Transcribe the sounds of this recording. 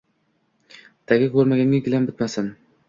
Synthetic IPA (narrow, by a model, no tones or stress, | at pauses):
t̪ʰaɡʲakʲɵɾmaɡʲanʲɪɡʲɪlambɪt̪masɪn